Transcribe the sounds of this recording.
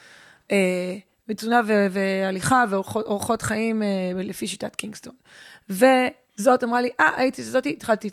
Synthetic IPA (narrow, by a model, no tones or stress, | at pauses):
ʔe | met͡sunavevealiχaveoχooʁχo̞t̪χaimelefiʃitatkiŋɡsto̞n | ve̞ | zo̞tamʁaliʔaʔait̪iazo̞tit̪χalti